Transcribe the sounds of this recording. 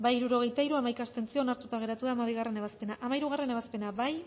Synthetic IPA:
baiɾuɾo̞ɣe̞jt̪aiɾuamajkast̪e̞nt͡sio̞naɾt̪ut̪aɣ̞e̞ɾat̪uðaːmaβ̞iɣare̞ne̞βaspe̞naʔamaiɾuɣ̞are̞ne̞β̞aspe̞naβaj

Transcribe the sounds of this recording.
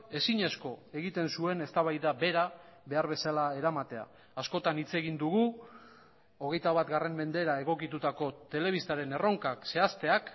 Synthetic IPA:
e̞siɲe̞sko̞e̞ɣit̪e̞nsue̞ne̞st̪aβajðabe̞ɾaβe̞aɾβe̞salae̞ɾamat̪e̞a̰ː | sko̞t̪anit͡se̞ɣind̪uɣu | o̞ɣe̞jt̪aβat̪ɡare̞mbe̞nd̪e̞ɾae̞ɣ̞o̞kit̪ut̪ako̞t̪e̞le̞βist̪aɾe̞ne̞ro̞ŋkakse̞ast̪e̞ak

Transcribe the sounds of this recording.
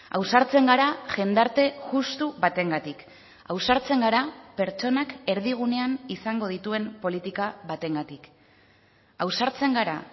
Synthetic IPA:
a̰wsaɾt͡se̞ŋɡaɾaʝe̞nd̪aɾt̪e̞ʝust̪uβat̪e̞ŋɡat̪ik | awsaɾt͡se̞ŋɡaɾape̞ɾt͡ʃo̞nake̞ɾðiɣ̞une̞anisaŋɡo̞ð̞it̪ue̞mpo̞lit̪ikaβat̪e̞ŋɡat̪ik | awsaɾt͡se̞ŋɡaɾa̰

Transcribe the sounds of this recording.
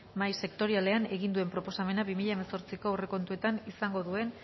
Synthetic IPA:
majse̞kt̪o̞ɾiale̞ane̞ɣind̪ue̞mpɾo̞po̞same̞naβimiʎaemaso̞ɾt͡siko̞ure̞ko̞nt̪ue̞t̪anisaŋɡo̞ðue̞n

